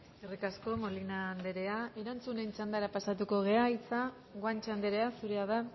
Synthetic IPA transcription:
erikasko̞molinaːnd̪e̞ɾe̞ae̞ɾant͡sune̞nt͡ʃand̪aɾapasat̪uko̞ɣ̞e̞ait͡sa | ɣwant͡ʃand̪eɾe̞asuɾe̞aða

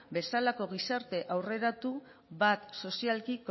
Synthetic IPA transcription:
be̞salako̞ɣ̞isaɾt̪e̞ʔawre̞ɾat̪u | βat̪so̞sialkiko

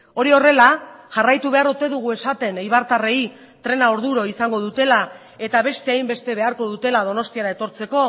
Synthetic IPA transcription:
o̞ɾio̞re̞laʝarajt̪uβ̞e̞aɾot̪e̞ðuɣ̞ue̞sat̪e̞neiβaɾt̪are̞i | t̪ɾe̞naoɾðuɾo̞isaŋɡo̞ð̞ut̪e̞la | e̞t̪aβ̞e̞st̪e̞ajmbe̞st̪e̞βe̞aɾko̞ðut̪e̞lað̞o̞no̞st̪iaɾae̞t̪o̞ɾt͡se̞ko̞

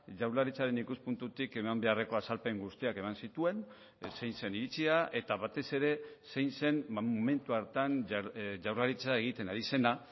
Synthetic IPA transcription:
ʝawɾlaɾit͡saɾe̞nikuspunt̪ut̪ike̞mambe̞are̞ko̞asalpe̞ŋɡust̪iake̞mansit̪ue̞n | sejnse̞niɾit͡siaʔe̞t̪aβat̪e̞se̞ɾe̞sejnse̞nmome̞nt̪uaɾt̪anʝawɾlaɾit͡saeɣ̞it̪e̞naɾise̞na

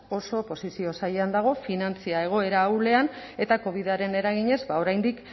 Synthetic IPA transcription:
o̞so̞po̞sisio̞sajeand̪aɣ̞o̞finant͡siae̞ɣ̞o̞e̞ɾaːwle̞ane̞t̪ako̞β̞iðaɾe̞ne̞ɾaɣ̞iɲe̞zbao̞ɾajnd̪ik

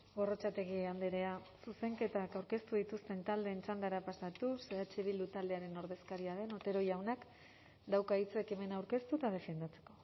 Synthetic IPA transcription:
ɡo̞ro̞t͡ʃat̪e̞ɣiand̪eɾe̞asuse̞ŋke̞t̪akawɾke̞st̪uðit̪ust̪e̞nt̪ald̪e̞ːnt͡ʃand̪aɾapasat̪useðat͡ʃiβild̪ut̪ald̪e̞aɾe̞no̞ɾðe̞skaɾiaðe̞no̞t̪e̞ɾo̞jawnak | d̪awkait͡se̞ke̞me̞nawɾke̞st̪ut̪að̞e̞fe̞nd̪at͡se̞̥ko̞

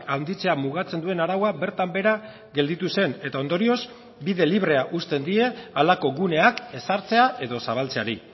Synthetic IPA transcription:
awnd̪it͡se̞amuɣ̞at͡se̞nd̪ue̞naɾawabe̞ɾt̪ambe̞ɾa | ɣe̞ld̪it̪use̞ne̞t̪ao̞nd̪o̞ɾio̞z | biðe̞liβ̞ɾe̞aʔust̪e̞nd̪ie̞alako̞ɣune̞ake̞saɾt͡se̞aʔe̞ðo̞saβ̞alt͡se̞aɾi

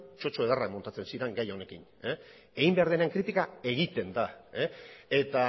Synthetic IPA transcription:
t͡ʃo̞t͡ʃo̞eð̞arakmo̞nt̪at͡sensiɾe̞ŋɡajo̞ne̞kine | eɣimbe̞aɾðeneeŋkɾit̪ikae̞ɣ̞it̪e̞nd̪aee̞t̪a

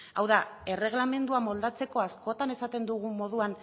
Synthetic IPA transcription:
awðae̞re̞ɣ̞lame̞nd̪uamo̞ld̪at͡se̞ko̞asko̞t̪ane̞sat̪e̞nd̪uɣ̞umo̞ðuan

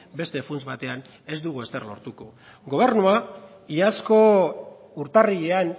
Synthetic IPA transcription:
be̞st̪e̞funt͡sβat̪e̞an | e̞zd̪uɣ̞ue̞st̪e̞rlo̞̰ɾt̪uko̞̰ | ɡo̞β̞e̞ɾnua | iasko̞ | uɾt̪ariʎe̞an

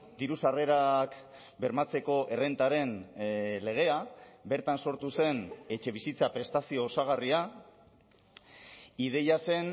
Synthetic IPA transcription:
d̪iɾusare̞ɾak | be̞ɾmat͡se̞ko̞ʔe̞re̞nt̪aɾe̞nle̞ɣ̞e̞abe̞ɾt̪anso̞ɾt̪use̞ne̞t͡ʃe̞β̞isit͡sapɾe̞st̪asio̞ːsaɣaria | ið̞e̞jase̞n

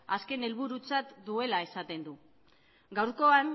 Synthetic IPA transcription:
aske̞ne̞lβ̞uɾut͡sat̪d̪ue̞lae̞sat̪e̞nd̪u | ɡawɾko̞an

